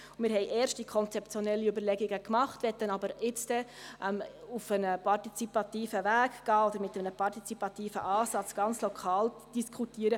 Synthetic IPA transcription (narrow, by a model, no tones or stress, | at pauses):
mɪːɾɦɛɪʔɛːɾʃt̚d̥ikʰɔnt͡sɛpt͡sjɔnɛlːiybəɾlɛɡɪɡəkmɑχtʋɛt̪ːənɑbəɾɪt͡sd̥ɛ | ʔɛmufənəpʰɑrtit͡sipɑtiːfəvæːɡɡ̥ɑːod̥̪əɾmɪtəmnəpʰɑɾtit͡sipɑtiːfə̰ʔɑːsɑt͡sɡ̥ɑnt͡slɔkʰɑːld̥iskʰutiːəɾə